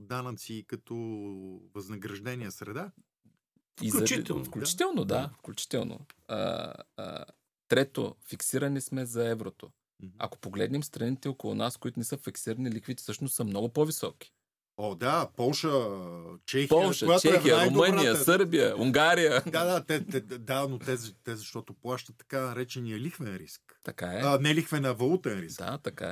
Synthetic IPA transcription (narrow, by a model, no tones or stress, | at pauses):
d̪anət̪siːkɐt̪ɔvɐznɐɡɾɐʒd̪ɛniəsɾɛd̪a | izɐifklut͡ʃit̪ɛlˠnod̪afklʲut͡ʃi̥t̪ɛlˠno̰ə̰ə̰ | t̪ɾɛt̪o̰fiksiɾɐnismɛzɐɛvɾot̪o | ɐ̰ko̥poɡlɛ̰d̪nɛmst̪ɾɐnit̪ɛokolˠʊ̰naskoit̪ʊnɛsɤfiksiɾɐnilikvit̪ɛ̥sɤʃnost̪səmnɔɡʊpovisɔki̥ | ɔd̪apɔlˠʃə | t͡ʃɛxpɔlˠʃəjatt͡ʃɛxijəɾommənijəsɤɾbijəuŋɡaɾijəd̪ad̪at̪ɛt̪ɛd̪anot̪ɛzɐt̪ɛzɐʃt̪ɔt̪oplˠaʃt̪ət̪ːɐ̥kanɐɾɛt͡ʃɛniɐlixvɛnɾiskt̪ɐkaɛnɛlixvɛnɐvɐlˠut̪ɛnɾid̪a̰t̪ɐka̰ɛ̰